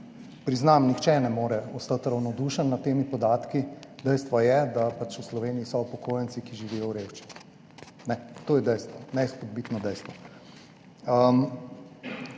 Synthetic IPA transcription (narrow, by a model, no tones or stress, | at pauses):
pɾiznamnixt͡ʃɛnɛmoːɾɛɔst̪at̪ɾawnɔd̪uːʃənːat̪ːeːmipɔd̪aːt̪kid̪ɛjst̪ʋɔjɛd̪apat͡ʃuslɔʋeːniːsɔpɔkʰoːjənt͡s̪ikiʒiʋijɔwɾeʃt͡ʃi̥ | nɛt̪oːjɛd̪ɛjst̪ʋɔnɛsxɔd̪̚bit̪nɔd̪ɛjst̪ʋɔ | əm